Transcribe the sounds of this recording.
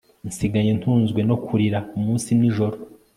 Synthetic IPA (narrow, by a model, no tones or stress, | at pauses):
nsiɡaɲe̞ntuːnzɡwe̞no̞kʰuɾiɾaumuːnsiniʒo̞ɾo